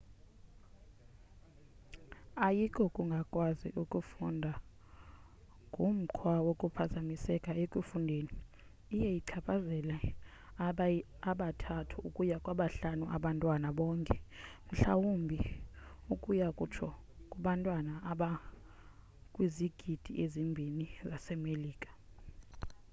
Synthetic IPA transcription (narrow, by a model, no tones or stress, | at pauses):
ajikʰʼɔkʼuŋɡʱakʼwazḭʔukʼufṵndʱa | ŋɡʱum̩ǃʰwawokʼupʰazamisɛkʼaekʼwifundʱeːniː | jɛjiǀʰapʰazɛlɛ | aɓatʰatʰuukʼujakʼwaɓaɬanuʔa̰ɓantʼwanaɓɔːŋkʼɛm̩ɬa̰wumbʱiukʼujakʼut͡ʃʰɔkʼuɓantʼwanaaɓa | kʼwiziɡ̥ʱid̥ʱiʔezimbʱinizasɛmeliːkʼḁ